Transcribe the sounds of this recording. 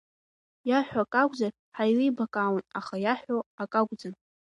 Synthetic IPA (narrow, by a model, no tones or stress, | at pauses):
jaħʷᶣaakʼaɡʷʼd͡zar | ħajlijbakʼawanaχajaħʷᶣoakʼaɡʷʼd͡zan